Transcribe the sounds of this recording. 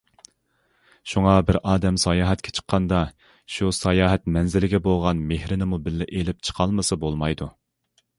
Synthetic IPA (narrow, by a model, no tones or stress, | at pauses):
ʃuŋɑbɪɾɑːd̪ɛmsɑjɑːɦɛt̪kʲʰɛ̥t͡ʃʰə̥qʰːɑnd̪ɑ | ʃusɑjɑːɦɛt̪mɛnzɪlɪɡʲɛbolˠʁɑnmehɾɪnɪmubɪlːɪʔelɪp̚t͡ʃʰə̥qʰɑlˠmɨsɨbolˠmɑjd̪u